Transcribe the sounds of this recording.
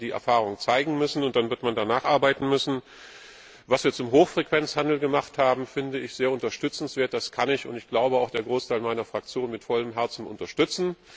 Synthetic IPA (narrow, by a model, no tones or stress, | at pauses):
d̥iːʔɛ̰ɐfaːʁ̞ʊŋt͡saɪɡŋ̩mʏsn̩ʊnt̚d̥anvɪɐtmandanaːχʔaɐbaɪtn̩mʏsn̩ | vasv̥iːɐt͡sʊmɦoːxfʁ̥ɛkv̥ɛnt͡shandl̩ɡəmaχthaːbm̩fɪndəɪçz̥eːɐʊntɐʃtʏt͡sn̩sv̥eːɐt̚d̥askʰanɪçʊntɪçɡ̥laʊbəaʊxd̥eːɐɡʁoːstʰaɪlmaɪnɐfʁ̥ak̚t͡sjoːnmɪtfɔləmɦɛɐt͡sn̩ʊ̰ntɐʃtʏt͡sn̩